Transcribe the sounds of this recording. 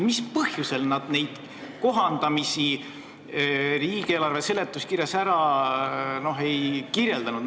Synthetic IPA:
mispɤhjuse̞lnɑd̪̥ne̞jd̪̥ | ko̞ɦɑnd̪̥ɑmisi | ɾiːkelɑrve̞se̞le̞t̪ːˑuskiɾjɑsæɾɑ | no̞ɦe̞jkirje̞ld̪ɑnud̪

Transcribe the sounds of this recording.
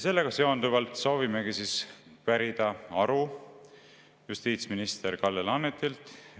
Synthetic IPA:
se̞lːe̞ɡ̥ɑse̞o̞nd̪uvɑlt̪so̞ːvime̞ɡisiːspæɾid̪̥ɑɑɾu | just̪iːt̪sminist̪eɾkɑlːelɑnːet̪ːˑilt̪ˑ

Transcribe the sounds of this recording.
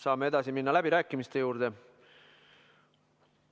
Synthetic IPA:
sɑːmee̞d̪ɑsiminːɑlæbiɾæːkːˑimist̪e̞juːɾd̪̥e̞

